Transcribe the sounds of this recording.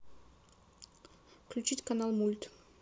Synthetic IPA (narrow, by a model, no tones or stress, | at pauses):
klʲʉt͡ɕitʲkɐnalˠmulʲt̪